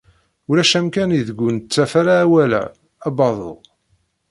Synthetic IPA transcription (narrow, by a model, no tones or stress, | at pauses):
ulæʃæmkæniðəɡʷːunət͡sːæfaɾaːwælæ̰ | æbɑðˤo̰